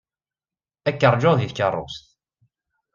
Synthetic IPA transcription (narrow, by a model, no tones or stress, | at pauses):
ækːəɾˤd͡ʒoðiθkərˤːo̰st̪